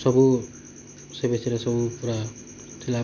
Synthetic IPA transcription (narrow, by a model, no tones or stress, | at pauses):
sʌbu | sʌbeseɾʌsʌbupuɾa | t̪ʰila